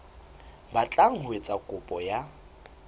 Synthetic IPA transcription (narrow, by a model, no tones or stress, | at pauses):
bat͡ɬʼaŋ̩hwet͡sʼakʼʊpʼɔja